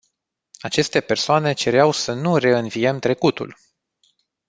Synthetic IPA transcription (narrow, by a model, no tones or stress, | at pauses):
at͡ʃe̞st̪e̞pe̞rsoane̞t͡ʃe̞ɾeawsənure̞ɨnvije̞mt̪ɾe̞kut̪ṵl